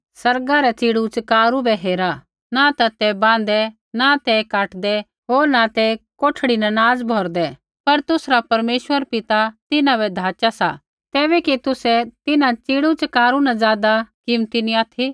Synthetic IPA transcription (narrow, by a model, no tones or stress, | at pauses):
sɐɾɡaɾɛt͡ʃiːɽut͡ʃkaːɾubɛɦeːɾa | nat̪at̪ɛbãːn̆d̪ɛ | nat̪ɛkaːʈd̪ɛ | ɦoːɾnat̪ɛkoːʈʰɽinɐnaːd͡zbʱɔːɾd̪ɛ | pɐɾt̪ʊsɾapɐɾmeːʃwəɾpɪt̪at̪ɪnãbɛd̪ʱaːt͡ʃasa | t̪ɛːbɛkit̪ʊsɛt̪ɪnãt͡ʃiːɽut͡ʃkaːɾunad͡zaːd̪akɪmt̪iniaːt̪ʰi